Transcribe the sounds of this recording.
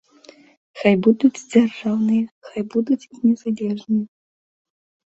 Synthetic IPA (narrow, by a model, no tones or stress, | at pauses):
xajbud̪ut͡sʲd͡zʲarʐawnɨjɛxajbud̪ut͡sʲnʲɛzalʲɛʐnɨjɛ